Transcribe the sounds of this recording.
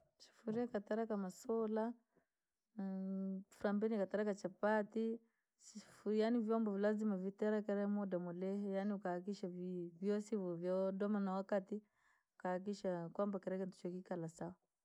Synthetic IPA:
ʃi̥fuɾiakataɾakamasɔla | fuɾambɛnikataɾakat͡ʃapati | sifujanivjɔmbɔvilazimavitɛɾakɛɾɛmɔdamulɛhɛjaniukaak̬iʃavvjɔsivuvjadɔmanawakati | ukahak̬iʃakwambakɛɾɛkɛntu̥t͡ʃɔkikalasawa

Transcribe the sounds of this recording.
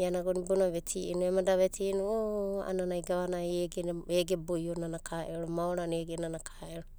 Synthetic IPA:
ianaɡonibonaβetʰiinuemadaβetʰinuoa̰nanajɡaβanaeɡeeɡebojonanakʰaʔeɾomaoɾaneɡenanakʰaʔeɾo

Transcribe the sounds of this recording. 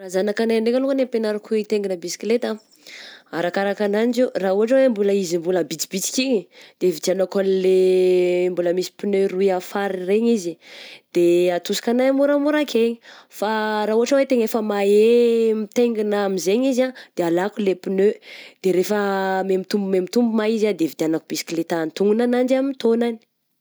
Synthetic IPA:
razanakanajaɳɖ͡ʐekʲəlukənempenaɾakuit̪eŋɡinəbisi̥klet̪a | aɾakaɾakananid͡ʒerauɦaʈ͡ʂawembuləizimbuləbit͡si̥bit͡si̥kiɲid̪̥evit̪anakanile | mbuləmisi̥pinøruiafaɾireɲizid̪̥eat̪usi̥kanajmuɾamuɾakʰeɲifaɾaːɦuaʈ͡ʂawet̪eŋefəmaemit̪eŋɡinaamizeɲizad̪̥ealakulepinød̪̥eɾefəmemit̪umbumemit̪umbumaizad̪evit̪ianakub̥isi̥kilet̪ant̪uŋɡunanand͡ʒamit̪onani̥

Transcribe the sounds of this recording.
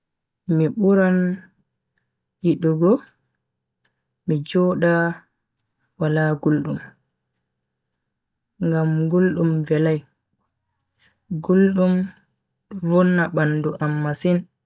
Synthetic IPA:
miɓuɾan | jiɗuɡɔ | mid͡ʒɔɗa | walaɡulɗum | ŋɡamɡulɗumvɛlaj | ɡulɗum | ɗɔvɔnːaɓanduʔamːasin

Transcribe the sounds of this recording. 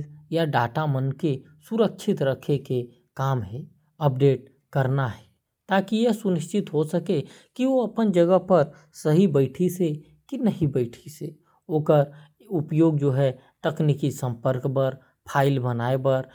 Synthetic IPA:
jaɖaːʈamənke | sʊɾəkʃʰɪt̪ɾɐkʰeke | kaːmɦɛ | ɐp̚ɖeːʈ̚ | kɐɾnaɦɛ | t̪aːkijɛsʊnɪʃt͡ʃɪt̪ɦosəke | kiʋoɐpənd͡ʒɐɡəɦpɐɾ | sɐɦibəɪʈʰise | kinɐɦibəɪʈʰise | oːkəɾ | ʊpjoːɡ̚d͡ʒoːɦɛ | ʈəknikisə̃mpəɾkpəɾ | pʰaːɪlbənaːepəɾ

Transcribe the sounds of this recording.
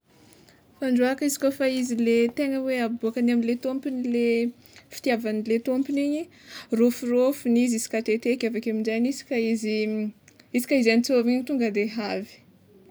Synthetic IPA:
faɳɖ͡ʐuakizi̥kʲofaizilet̪eŋəweabuakaniaminlet̪ompinile | fi̥t̪iavanilet̪ompiniɲi | rofurofunizisi̥kaʈ͡ʂ̪et̪ekʲavakamiɳɖ͡ʐajnisi̥kʲaizi | isi̥kʲaizanit͡soviɲit̪uŋɡəd̪eɦavi̥

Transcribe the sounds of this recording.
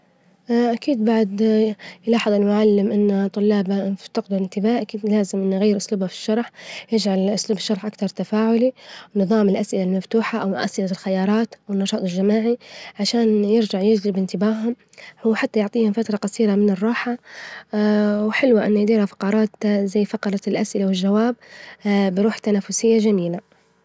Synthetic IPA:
ʔʔakiːd̪baʕd̪jlɑːħɨðˤɪlmʊʕalːɪmʔɪnːat̪ˤʊlːɑːbaft̪ɪqd̪ʊɪnt̪ɪbaːhʔakiːd̪laːzɪmʔɪnːɣajːɪɾʔʊsluːbhafi̥ʃːɑɾˤħjɪd͡ʒʕalʔʊsluːbɪʃːɑɾˤħʔakt̪ɑɾˤt̪afaːʕʊlinɨðˤɑːmɪlʔasʔɪlalmaft̪uːħaʔawmʊʔasʔɪlalxajɑːɾˤɑːt̪ʔwɪnːɑʃɑːt̪ˤɪlʒamaːʕiʕaʃaːnjɪɾd͡ʒaʕjɪd͡ʒlɪbɪnt̪ɪbaːɦʊm | wħat̪ːajʊʕt̪ˤiːhʊmfat̪ɾˤɑqɑsˤiːɾamɪnɪrˤːɑːħa | wħɪlwaʔɪnːjd̪iːɾhafɑ̥qɑɾˤɑːt̪zajːfɑqɑɾˤɑlʔasʔɪlawɪlʒawaːb̚ː | ɪɾuːħt̪anaːfːʊsɪjːaʒamiːla

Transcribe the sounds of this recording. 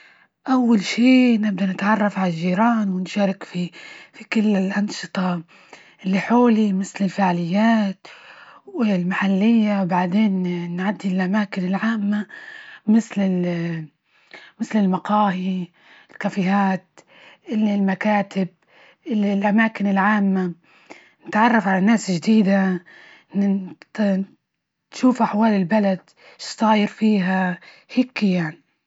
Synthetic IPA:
ʔawːalʃiːnɪb̚d̪anɪt̪ʕɑrˤːɑfʕalaʒːiːɾɑːnwɪnʃaːɾˤɪkfifikɪlːɪlʔɑnʃɨ̥t̪ˤɑ | ʔɪlːiħoːlimɪθlɪlfaʕlɪjːaːt̪wɪlmaħalːɪjːawbaʕd̪eːnnʕad̪ːilʔamaːkɪnɪlʕaːmːamɪθlɪ | mɪθlɪlmɑqɑːhi | ɪlkafɪɦaːt̪ | ʔɪllmakaːt̪ɪb̚ | ʔɪllʔamaːkɪnɪlʕaːmːa | nɪt̪ʕɑrˤːɑfʕalanːaːsʒd̪iːd̪a | n | ʃuːfʔaħwaːlɪlbalad̪̥ | ʃt̪ˤɑːjɪɾfiːɦa | hɪkɪjaʕni

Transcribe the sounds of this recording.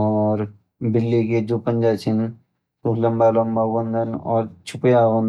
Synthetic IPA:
ɔːɾ | bɪlːiked͡ʒopə̃nd͡ʒat͡ʃʰin | t̪oləmbaləmbabə̃nd̪ənɔ̰ːɾt͡ʃʰʊpjabə̃n

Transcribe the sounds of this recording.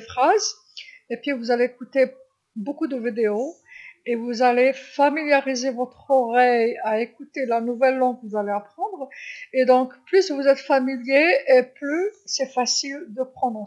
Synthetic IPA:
fχaz | epɥivuzaleːkut̪e | bokud̪əvid̪eo | evuzalefamiljaʁizevɔt̪χɔʁɛjaekut̪elanuvɛlːɑ̃ɡkvuzaleapχɑ̃d̪ʁed̪ɔ̃kplysvuzɛt̪familjeeplysɛfasild̪əpχɑ̃d̪ʁɑ̃

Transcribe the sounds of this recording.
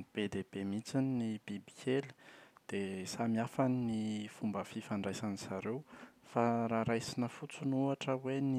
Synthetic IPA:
b̥ed̪eb̥emit͡sininibibikʰelə̥d̪̥esamiafaninifumbəfifaɳɖ͡ʐajsaniz̥aɾewfaɾaɾajsinəfut͡sunuaʈ͡ʂəweni

